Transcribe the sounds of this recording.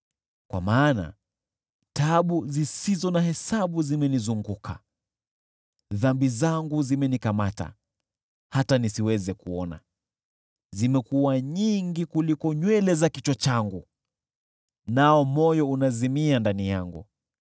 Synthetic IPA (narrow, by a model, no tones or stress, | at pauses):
kwa̰maːna̰ | taɓuzisizɔnahɛsaɓuzimɛnizuŋɡukʰa̰ | ðambizaŋɡuzimɛnikamata̰ | hatanisiwɛzɛkuɔna̰ | zimɛkuwaɲiŋɡikulikɔɲwɛlɛzakit͡ʃɔt͡ʃaŋɡu | naɔmɔjɔunazimiandanijaŋɡṵ